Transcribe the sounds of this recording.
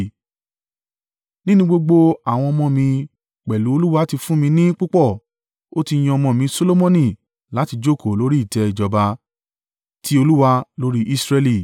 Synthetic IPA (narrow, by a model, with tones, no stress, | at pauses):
nĩ˦nũ˧˦ɡ͡bo˧ɡ͡bo˧a˦˨w̃ɔ̃˧ɔ˧mɔ̃˧mĩ˧ | k͡pɛ˨lu˨˦o˧lu˦wa˧˦ti˧fũ˦mĩ˧nĩ˦k͡pu˦k͡pɔ˦˨ | o˦ti˧j̃ɔ̃˧mɔ̃˧˨mĩ˨˧so˧lo˦mɔ̃˧nĩ˦˨ | la˨˦ti˧d͡ʒo˦˨ko˨lo˨˦ɾi˦i˦˨tɛ˧i˨d͡ʒɔ˧ba˧ | tʰi˨˦o˧lu˦wa˧lo˦ɾi˦ʔi˦sɾɛ˧li˦˨